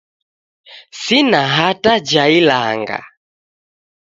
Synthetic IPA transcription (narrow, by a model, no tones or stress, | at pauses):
sinaɦatad͡ʒaila̰ŋɡa̰